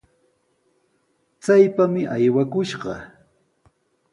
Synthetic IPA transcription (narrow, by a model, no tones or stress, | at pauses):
t͡sajpamɪʔajwakʊʃɢɑ̰